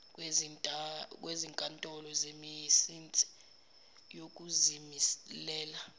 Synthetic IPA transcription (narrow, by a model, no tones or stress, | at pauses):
wʼ | k̬ʼweziŋkʼantʼɔlɔzemijsint͡sʼi̥ | jok̬ʼuzimislɛːla